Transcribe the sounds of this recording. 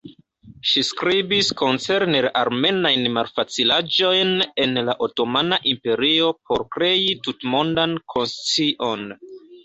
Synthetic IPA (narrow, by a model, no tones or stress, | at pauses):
ʃiskɾibisko̞nt͡se̞ɾne̞ɾaɾme̞najnmalfat͡silad͡ʒo̞jne̞nlaʔoto̞manaʔimpe̞ɾio̞p̚ʰo̞ɾkɾe̞itutmo̞ndankʰo̞nst͡siʔo̞n